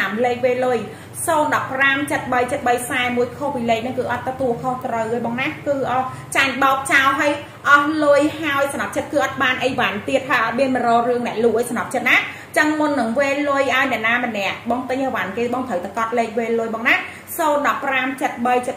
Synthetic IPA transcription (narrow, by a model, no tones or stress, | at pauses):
amleːk̚ʋeːlːʊj | soːnɗɑpːramt͡ɕət̪̚ɓəjt͡ɕət̪̚ɓəjsaɛmuəjkʰohpileːk̚nɨŋkɨːʔɑt̪ːɔt̪uəlkʰoht̪rəwhəːjɓɑːŋnakɨːʔɑ | t͡ɕaŋɓɑɔk̚t͡ɕaɔlɦaj | ʔɑhlʊəjhaɔjsɑnɑp̚t͡ɕət̪̚kɨːʔɑt̪̚ɓaːnʔəjʋant̪iət̪̚ʰːaːʔəɓiənmərɔːrɨəŋnɛ̆əʔluːʔəjsɑnɑp̚t͡ɕət̪̚naː | t͡ɕəŋmʊnːɨŋʋeːlːʊəjʔaɔjnɛ̆əʔnaːmənɛ̆əʔɓɑːŋt̪ɨɲhəʋankeːɓɑːŋt̪ʰəwt̪akɑt̪̚leːk̚ʋeːlːʊəjɓɑːŋna | soːnɗɑpːramt͡ɕət̪̚ɓəjt͡ɕət̪̚